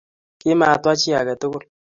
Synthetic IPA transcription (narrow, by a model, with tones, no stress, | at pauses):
ki˦maː˨twa˦t͡ʃi˦a˨kɛ˨tu˦kʊ˦l